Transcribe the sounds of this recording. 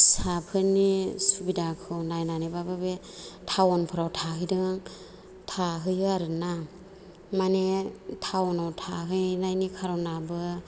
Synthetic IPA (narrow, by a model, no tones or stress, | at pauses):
sapʰɯnisubidakʰɯnajnanebababe | tʰawɔnpʰɯɾawtʰaɦɯjdɯŋŋ | tʰaɦɯjaɾɯna | manetʰawɔnawtʰaɦɯjnajnikʰaɾɔnabɯ